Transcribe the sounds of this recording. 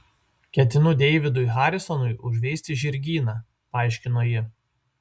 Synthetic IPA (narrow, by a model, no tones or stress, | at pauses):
kʲɛt̪ʲɪnʊd̪ʲɛɪʋʲɪd̪ʊɪɦɑːɾʲɪsɔnʊɪʔʊʒʲʋʲeːsʲt̪ʲɪʒʲɪɾʲɡʲiːnɑː | pɑːˑɪʃʲkʲɪnoːjɪ